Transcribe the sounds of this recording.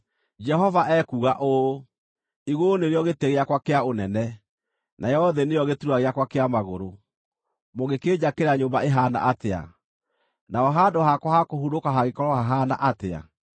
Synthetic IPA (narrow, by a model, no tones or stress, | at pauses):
d͡ʒɛɦɔvaʔɛkuɣaʔo | iɣoneɾeɔɣeteɣeakwakeaonɛnɛ | nʔajɔðɛnejɔɣetuɾwaɣeakwakeamaɣoɾo | moɣeked͡ʑakeɾaɲombaeɦana̰ʔatea̰ | naɔɦadohakwahakohuɾokaɦaɣekɔɾɔhaɦana̰ʔatea̰